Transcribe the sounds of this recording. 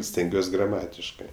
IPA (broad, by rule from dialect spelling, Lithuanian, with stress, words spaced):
sʲtʲɛŋʲˈɡʲuɔsʲ ɡrɐˈmɑːtʲɪʃkɜ